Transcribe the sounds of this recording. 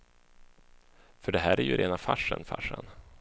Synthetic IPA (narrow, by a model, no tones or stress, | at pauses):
fœɖɛɦæːɾæɾjɵ̰ɾʔeːnafaʂːənfa̰ʂːən